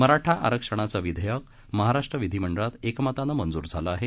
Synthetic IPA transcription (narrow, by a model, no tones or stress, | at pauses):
məɾaʈʰaʔa̰ɾəkʂəɽ̃at͡saʋid̪ʱəjək | məɦaɾaʂʈɾəʋid̪ʱiməɳɖəɭat̪ekmat̪anamənd͡zuːɾd͡zʱalaaɦe